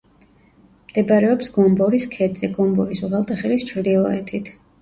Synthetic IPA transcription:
md̪̥ɛbɾɛɔpsɡɔmbɔɾiskʰɛd̪z̥ɛɡɔmbɔɾisuʁɛlˠt̪ʰʼaχɛlist͡ʃʰɾd̪ilˠɔɛt̪ʰit̪ʰ

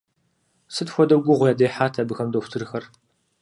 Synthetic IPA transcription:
sɨtxʷɔdɐɡʷʊʁʷʊjaːdejħaːtʰɐbɨxɐmdɐxʷtʰɨrxɐr

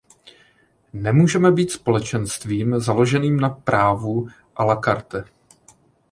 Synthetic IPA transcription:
nɛmuːʒɛmɛbiːt̪spo̞lɛt͡ʃɛnst̪viːmzalo̞ʒɛniːmnapɾʔaːvu | ʔalakaɾt̪ɛ

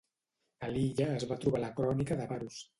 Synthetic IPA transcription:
əliʎəːzβat̪ɾuβaləkɾɔnikəðəβaɾus

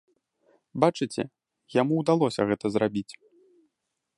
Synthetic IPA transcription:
bat͡ʂɨt͡sʲɛ̰ | jamuwd̪alˠɔsʲɐɣɛt̪ɐzrabʲit͡sʲ

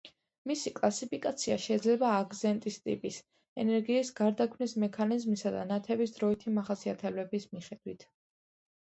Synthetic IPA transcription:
misikʼlˠasipʰikʼat̪sʰiaʃɛid̪zlɛbaːɡzɛnt̪ʼist̪ʼḭpʼis | ɛnɛɾɡiːsɡaɾd̪akʰmnismɛkʰanizmisad̪a̰nat̪ʰɛbisd̪ɾɔit̪ʰimaχasiat̪ʰɛblɛbismiχɛd̪̥wit̪ʰ

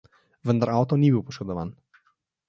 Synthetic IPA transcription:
ʋənd̪aɾaːwt̪ɔnibiwpɔʃkɔd̪ɔʋa̰ːn

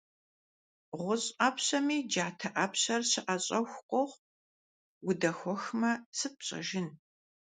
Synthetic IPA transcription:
ʁʷʊɕʼɐpɕɐmiːd͡ʒaːtʰɐʔɐpɕɐrɕɪʔɐɕʼɐxʷqʷʼɔʁ | wʊdɐxʷɔxmɐsɨp̚ɕʼɐ̰ʒɪn

